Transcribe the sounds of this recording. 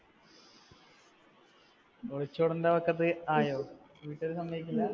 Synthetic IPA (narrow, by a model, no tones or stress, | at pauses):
oɭit͡ɕːoːɽund̪ɐpɐkːɐt̪̬ːɨaːjoː | ʋiːʈːɐɾɨsɐmbʱɐʋikʲːulːɐ